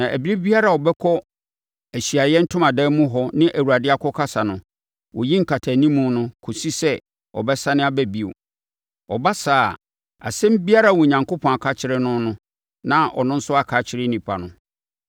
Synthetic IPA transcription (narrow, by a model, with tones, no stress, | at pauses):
nã˨ʔæ˨bi˦ɾi˦bi˦a˦ɾa˨ɔ˨bɛ˦kʰɔ˦ | æ˨ɕi˨a˨jɛ˦n̩˦tʰʊ̃˦mã˨dɛ˦mũ˦ɦɔ˦nɪ̃˦ʔæ˨wu˨ɾa˨dɪ˦a˦kʰɔ˦kʰa˦sa˨nʊ̃˨ | wɔ˨jĩ˦ŋ̩˨kʰa˨tʰæ˨nĩ˦mũ˨nʊ̃˦kʰo˨si˦sɛ˦ | ɔ̰˨bɛ˦sa˦nɪ̃˦a˦bæ˦bi˨o̰˨ | ɔ˨ba˦saː˨ | a̰˨sɛ̃˦m˦bi˦a˦ɾa˦˨wɔ˨ɲã˨ŋkʰo˦pʰɔ̃˨a˨kʰa˦t͡ɕʰɪ˦ɾɪ˦nʊ̃˦nʊ̃˦ | nã˦ɔ̰˨nʊ̃˦n̩˦sʊ˦a˦kʰa˦t͡ɕʰɪ˦ɾɪ˦nĩ˨pʰa˨nʊ̃˨